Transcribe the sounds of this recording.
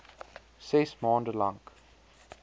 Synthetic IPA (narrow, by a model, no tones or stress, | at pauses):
sɪsmɔ̃ːndəlãŋk